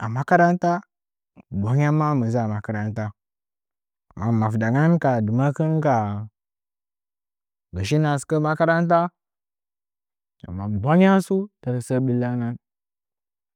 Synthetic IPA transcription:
a˨ma˦ka˦ɾa˦n˦ta˦˨ | bʷa˦ŋ˦a˦ma˦mə˨za˦˨ma˨ka˦ɾa˦nta˦˨ | ma˨ma˨fda˨ŋa˦nka˨du˨ma˦kɨ˦nka˨ | ɡə˨ʃ̬i˦na˨skə˦ma˦ka˦ɾa˦n˦ta˦ | a̰˨mːa˨bʷa˦ŋ˦a˦su˦ta˨ɾsə˦ɓi˦la˦ŋa˦n

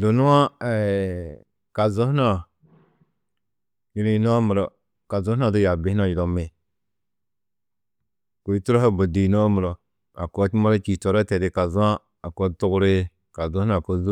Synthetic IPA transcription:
do˨nu˦wa˦e˨ | ka˨zo˦hna˦ | ji˨ɾi˦˨˦no˦mu˨ɾo˨ | ka˨zo˦na˦˨du˦ja˨bi˨˦a˦˨ji˨lo˨me˨ | ko˨i˦tu˦ɾo˦a˦bo˨di˨no˦mu˨ɾo˨ | a˨ko˦ma˦ɾo˦t͡ʃi˨to˨ɾa˦te˨de˨ka˨zu˦a˦ | a˨ko˦tu˦ɡɾe˦ | ka˨zo˦hna˦˨ko˨zu˦

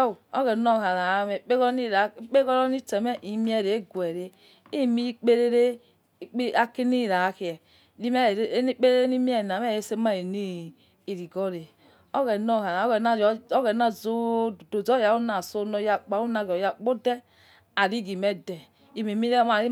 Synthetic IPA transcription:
o˦ɣɛ˨nɔ˦˨ha˨ɾa˨˦mɛ˨k͡pe˦ɣɔ˦ni˦ɾa˨˦k͡pe˦ɣɔ˦ɾɔ˦ni˦tɛ˨mɛ˦ʔi˨˦mi˦ɛ˦˨ɾe˨˦ɡwɛ˨ɾe˦ | i˦˨mi˦k͡pe˦ɾe˦ɾe˦ | k͡pa˦ki˦ni˦˨ɾa˨˦ki˨ɛ˨ | i˦m˦˨˦i˦k͡pe˦ɾe˦e˦ni˦m˦ɛ˦˨na˨m˦ɛ˦˨je˦se˦ma˦˨e˨ni˦ | i˨ɾi˨ɡɔ˦ɾe˨ | o˦ɣɛ˨nɔ˦˨ha˨ɾa˨˦ɛ˨na˦ɣɛ˨na˦zo˦˨do˨zɔ˦ja˨˦u˦na˨so˦nɔ˦ja˨k͡pa˨˦u˦na˨ɡɔ˨ja˨k͡po˦dɛ˦ | a˨ɾi˦ɡi˨mɛ˦dɛ˨ | i˨me˨mi˦ɾe˦ma˨ɾi˦

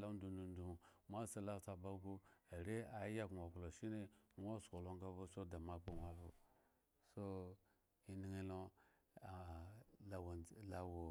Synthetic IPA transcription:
la˦n˦du˨ndu˨n˦du˨mʷa˦sa˦la˦˨˦ta˨ba˦ɡu˦a˨ɾe˦a˨˦ja˦kʷa˨klo˨ʃi˦ne˦n˦o˦sko˨lo˦ŋɡa˦bo˦so˦da˨ma˨k͡po˦nʷa˦βu˨ | so˦ | i˦ni˨˦ŋi˦lo˦˨ | la˨wla˨wo˨

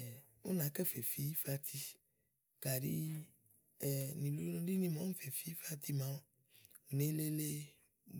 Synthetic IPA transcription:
u˦nã˨˦kɛ˦fe˨fi˦fa˧t̪ʰi˦ | ka˨ɾḭ˦˨ | nĩ˨lũ˦li˦nĩ˧mɔ̃˨˦fe˨fi˦fa˧t̪i˧mã˨˦o˦ | u˨ne˦le˦le˦

